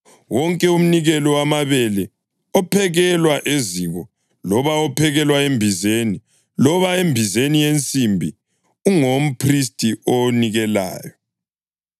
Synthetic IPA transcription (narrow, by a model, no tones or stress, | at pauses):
wɔŋkʼɛum̩niɣɛlɔwamaβɛlɛ | ɔpʰɛɣɛlwaʔeziɣɔ | lɔβaɔpʰɛɣɛlwaembʱizeni | lɔβaembʱizenijent͡sʼimbʱi | uŋom̩pʰris̬tʼiʔoniɣɛla̰ːjɔ